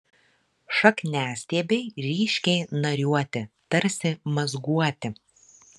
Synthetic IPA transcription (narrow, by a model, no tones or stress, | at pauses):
ʃɐknʲæːsʲt̪ʲeːbʲɛɪɾʲiːʃʲkʲɛɪnɐɾʲuɔt̪ʲɪt̪ɐɾʲsʲɪmɐzɡuɔt̪ʲɪ